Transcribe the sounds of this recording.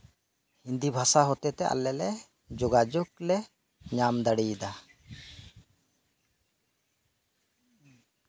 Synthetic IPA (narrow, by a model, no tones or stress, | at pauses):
hind̪ibʱasaɦɔt̪ɛt̪ɛʔa̰lːɛlɛ | d͡ʒoɡad͡ʒoklɛ | ɲamd̪aɽid̪a